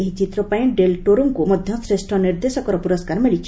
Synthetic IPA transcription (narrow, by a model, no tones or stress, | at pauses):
eɦit͡ʃit̪ɾɔpaj̃ɖelʈoɾuŋkumɔd̪ʱjɔsɾesʈʰɔniɾd̪esɔkɔɾɔpuɾɔskaɾmiɭit͡ʃʰ